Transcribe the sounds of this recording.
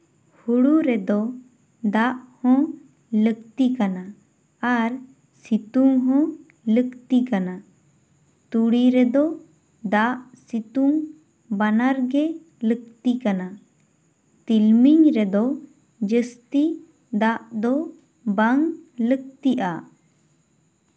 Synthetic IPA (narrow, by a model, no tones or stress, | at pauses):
huɽuɾɛd̪ɔ | d̪aʔhɔ̃ | lək̚t̪ikana | aɾ | sit̪uŋɦɔ̃ | ləkt̪ikana | t̪uɽiɾɛd̪ɔ | d̪aʔsit̪uŋ | banaɾɡɛ | lək̚t̪ikana | t̪ilmiɲɾɛd̪ɔ | d͡ʒəst̪i | d̪aʔd̪ɔ | baŋlək̚t̪iʔa